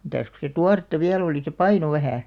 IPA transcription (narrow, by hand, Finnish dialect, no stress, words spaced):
mitæs ku se tuɑretːɑ ʋiæl oliˑ se pɑino ʋæhæˑ